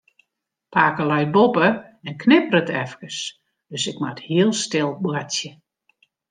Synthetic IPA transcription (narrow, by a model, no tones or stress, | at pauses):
paːkəlɛjbopə | ɛnkʰnɪpəɾətʰɛfkəs | d̥øsɪkmathiəlˠstɪlˠbwatjə